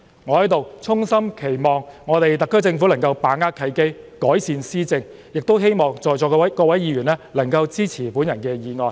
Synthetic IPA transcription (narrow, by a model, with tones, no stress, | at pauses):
ŋɔː˨˧hɐ˨˥jt̪o˨wt͡sʰʊ˥ŋsɐ˥mkʰe˨˩jmɔː˨ŋːɔː˨˧t̪e˨jt̪ɐ˨kʰːɵ˥t͡sɪ˧ŋfu˨˥lɐ˨˩ŋkɐ˧wpaː˨˥ŋaː˥kʰɐ˨˧jke˥jkɔː˨˥jsiː˧nsiː˥t͡sɪ˧ŋ | jɪ˨k̚t̪o˥wɦe˥jmɔː˨ŋt͡sɔː˨jt͡sɔː˨˩kkɔː˧wɐ˨˥jjiː˨˧jyː˨˩nɛː˥lɐ˨˩ŋkɐ˧wt͡siː˥t͡sʰiː˨˩puː˨˥njɐ˨˩nkɛː˧jiː˨˧ŋɔː˨˧j